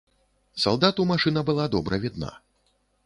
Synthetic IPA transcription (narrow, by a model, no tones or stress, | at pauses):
salˠd̪at̪umaʂɨnɐbɨlˠad̪ɔbɾɐvʲid̪na̰